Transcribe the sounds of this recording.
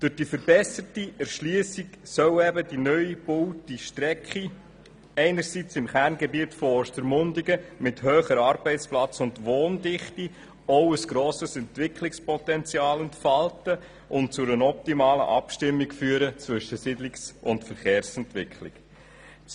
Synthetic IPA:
d̥ʊɾd̥ifəɾbɛsətiɛɾʃliəsiksœʊɛbədinœʏib̥ʊltiʃtɾɛkχi | ɛɪnəɾsit͡sɪmχærnɡɛbiətfɔɔstəɾmʊndiɡəmɪthøːχəɾɑːɾb̥ɛɪt͡splɑt͡sʊndʋoːndɪχti | ɔwəsɡ̥ɾoːsəsɛntʋɪkχlɪkspɔtɛnt͡siɑːlɛntfɑltə | ʔʊnt̚t͡sʊɾənɔp̚timɑːlə̰ʔɑpʃtɪmːikfyːəɾət͡sʋʏʃəsɪdlɪksʊntfəɾχeːɾsɛntʋɪkχlɪ̰k

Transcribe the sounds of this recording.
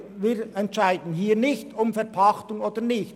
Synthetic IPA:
viːɾɛntt͡ʃaɪdn̩ɦiːɾnɪçtʊmfɛʁpʰɑxtʊŋoːdənɪçt

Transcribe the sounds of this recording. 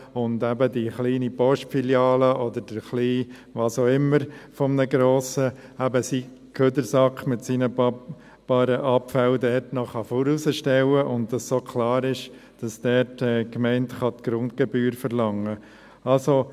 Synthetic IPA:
ʊndæbədiχliːnipɔʃtfiljɑːləʔɔdəɾd̥əɾχliː | ʋɑːsoːɪmːəɾfɔmnəɡɾoːsəæbəsiː | kʰød̪əɾsɑkχmɪtsiːnə | b̥ɑːɾəʔɑpfældɛɾtnɔχɑfoɾusəʃtɛwəʔʊnt̚d̥ɑsːoːkʰlɑːɾɪʃ | d̥ɑsd̥ɛɾtɛːkmɛɪntχɑt̪ɡ̥ɾʊntɡ̥ɛbyːɾfəɾlɑŋːə | ɑlso

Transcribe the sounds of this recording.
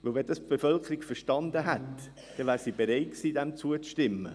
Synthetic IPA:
ʋɵlʋɛnd̥ɑsb̥efœlkʰəɾikfəɾʃtɑnd̪əɦɛt | d̪̥ɛnvæːɾsiːb̥eɾɛɪtksiːdɛmt͡suət͡sʃtɪmːə

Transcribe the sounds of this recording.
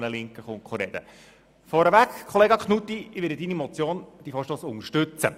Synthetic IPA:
nəlɪŋkəχʊŋkχoɾɛd̥̪ə̰ | fɔɾəvækkʰχɔleːɡɑkχnut̪ːiʋɪɾdəd̪inimɔt͡sjoːnd̥ifɔːɾʃtoːsʊŋəɾʃtɵt͡sə̰

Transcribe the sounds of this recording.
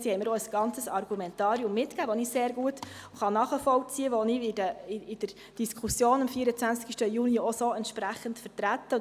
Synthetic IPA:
sihɛɪməɾɔəsɡ̥ɑnt͡səsɑrɡumɛntɑːɾiʊmːɪtkæːʋɔniseːɾɡuətχɑnɑːχəfɔwt͡siəʋɔniɪdəɪɪd̥əɾ | d̥iskʰusjoːnɑmfiəɾət͡sʋænskiʃtəjuniɔsoɛntʃpɾæχəntfəɾtɾætːə

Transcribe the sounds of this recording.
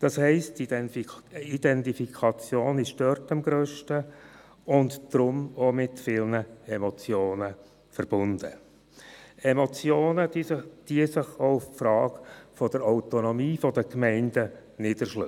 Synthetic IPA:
d̥ɑshɛɪsti | id̥ɛntifikʰɑt͡sjoːnɪʃd̥œrtɑmɡɾøːʃtə | ʊndd̥ɾʊmomɪtfɪlnəɛmɔt͡sjoːnə | fəɾb̥ʊnd̥ə̰ | ɛmɔt͡sjoːnəd̥iəsɪχoʊfpfɾɑːɡfɔdəɾaʊtɔnɔmiːfɔdəkmɛɪndənɪdəɾʃlø

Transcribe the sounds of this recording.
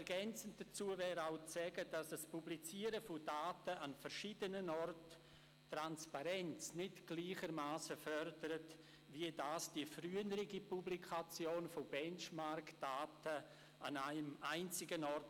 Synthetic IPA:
ɾɡɛnt͡sən̩td̥at͡suːəvɛːɾaʊt͡sɛɡəd̥asəspublit͡siːəɾəfodaːtəʔanfɛɾʃiːdənənɔrtː | ranspaɾɛnt͡snɪtɡ̥liːχəɾmaːsəfœrdəɾət | viədaːsd̥ifryːənəɾɪɡipublikʰat͡sjoːnfobɛnt͡ʃmaɾkd̥aːtə | a̰naɪmaɪnt͡sɪɡənɔrt

